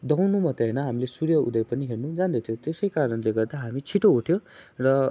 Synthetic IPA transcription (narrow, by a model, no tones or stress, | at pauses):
d̪ʌwnumʌt̪eɦʌnʌɦamilesuɾjʌṵd̪ʌpʌniɦernud͡zand̪ʌt̪ʰjot̪esʌjkaɾʌnleɡʌrd̪aɦamit͡sʰiʈouʈʰjõrʌ